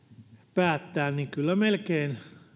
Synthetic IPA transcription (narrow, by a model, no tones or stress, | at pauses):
pæːt̪ːæːnniŋkylːæmelkeːn